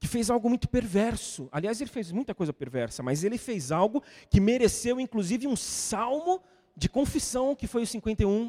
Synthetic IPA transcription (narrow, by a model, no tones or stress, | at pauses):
kɪfejzawɡʊmũj̃t̪ʊ̥peɾvɛɾsʊaliazelɪfejzmũj̃t̪ɐkojzɐpeɾvɛɾsɐmɐzelɪfezawɡʊkɪmeɾesewĩkluzivɪũsawmʊ | d͡ʒɪkõfisɐ̃w̃kɪfojʊsĩŋkwẽnt̪ejũ